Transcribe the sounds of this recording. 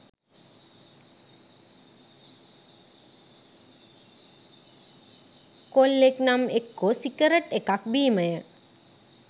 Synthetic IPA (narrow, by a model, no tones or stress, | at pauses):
kolːeknamekːosikəɾəʈekak̚biːməjə